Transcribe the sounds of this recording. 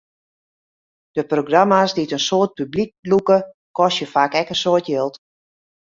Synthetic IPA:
d̥əproɡramasditənsoət̚pyblik̚lukə | kɔsjəfaːkɛkənsoətjɪlˠt

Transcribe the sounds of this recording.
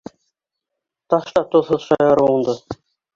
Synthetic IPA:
t̪ɑʃt̪ɑt̪ŏðɦɤðʃɑjɑɾuŭnd̪ɤ

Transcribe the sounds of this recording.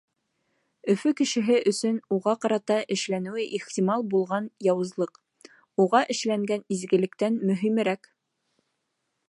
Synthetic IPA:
ɵ̆fɵkɘ̆ʃɘ̆ɦɘʔɵ̆sɵnuʁɑqɑɾɑt̪ɑʔɘ̆ʃlænɘ̆wɘʔiχt̪ʲimɑlˠbulˠʁɑnjɑwɤ̆zlˠɤq | uʁɑʔɘ̆ʃlæŋɡænizɡɘ̆lɘ̆k̚t̪ænmɵ̆ɦimɘ̆ɾæk

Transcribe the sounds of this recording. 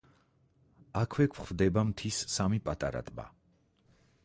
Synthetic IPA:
akʰwɛkʷʰχvd̪ɛbamt̪ʰisːamipʼat̪ʼaɾa̰t̪ʼba̰

